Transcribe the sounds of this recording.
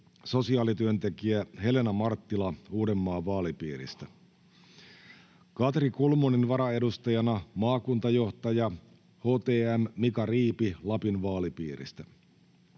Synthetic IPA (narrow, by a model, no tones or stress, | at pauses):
so̞siɑːlit̪yønt̪e̞kiæhe̞le̞nɑmɑrt̪ːilɑuːde̞mːɑːʋɑːlipiːɾḭst̪æ | kɑt̪rikolmoninʋɑɾɑe̞dust̪ɑjɑnɑmɑːkunt̪ɑjo̞ht̪ɑjɑ | ho̞ːt̪eːæmːikɑriːpilɑpinʋɑːlipiːɾḭst̪æ